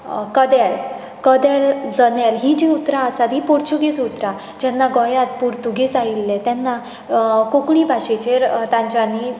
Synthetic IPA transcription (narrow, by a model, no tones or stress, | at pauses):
kəd̪ɛl | kəd̪ɛld͡zənalɦid͡ʑiut̪ɾaəsat̪ɦipoɾt͡ɕuɡet͡sut̪ɾa | d͡ʑɛnːaɡɔjat̪̚puɾt̪uɡet͡sailːet̪ɛnːa | kokɽibʱaɕet͡ɕeɾt̪ãɲt͡ɕani